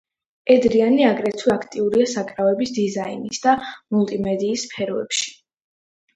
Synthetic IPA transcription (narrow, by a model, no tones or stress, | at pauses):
ɛd̪ɾianiaɡɾɛt̪sʰwakʰt̪ʼiuɾiasakʼɾavɛbisd̪izainisd̪amulˠt̪ʼimɛd̪iːspʰɛɾɔɛ̰pʃi̥